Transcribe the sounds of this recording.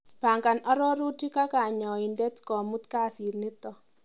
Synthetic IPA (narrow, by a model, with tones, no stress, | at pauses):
pa˨ŋɡa˨nɔ˦ɾɔ˦ɾu˦ti˦ka˦ka˨ɲɔ˨i˨ndɛ˦tkɔ˨mu˦tka˦si˨rnɪ˦tɔ˨